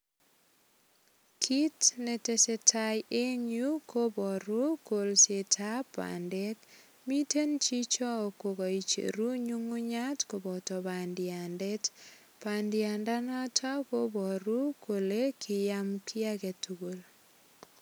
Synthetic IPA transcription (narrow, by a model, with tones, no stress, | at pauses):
kʰi˦tne˨te˨se˦tʰajʔe˦ɲu˦ko˦bɔ˨ɾu˦ko˨lse˨tʰa˦pa̰nde˦k | mi˦te˦nt͡ʃi˦t͡ʃɔ˦ko˨ɣɔ˨it͡ʃḛ˨ɾu˦ɲu˦ŋu˦ɲa˦tko˨bɔ˨tɔ˨ba˨ndɪande˦t | pandɪa˨nda˦nɔtʰɔ˦ko˦bɔ˨ɾu˦kʰo˨le˦kʰi˨jamkʰi˦a˦kɛ˨tuɡu˨l